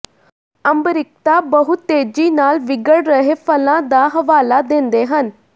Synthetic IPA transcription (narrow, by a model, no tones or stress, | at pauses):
əmbɾɪk̚t̪aːbəɦʊt̪ːeːd͡ʒiːnaːlʋɪɡəɽɾəɦeːpʰəlãːd̪aːɦəʋaːlaːd̪ẽːnd̪eːɦən